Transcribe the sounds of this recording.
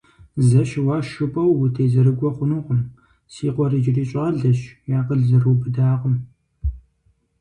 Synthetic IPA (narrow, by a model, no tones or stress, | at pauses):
zɐɕwɑːʃʊpʼɐwːtʰeːzɐɾɨɡʷɔχʷʊnuːqʷʊm | siːqʷɔrid͡ʒɪriːɕʼɑːɮɐɕjaːqəɮzɐrubɨdaːʁʷʊm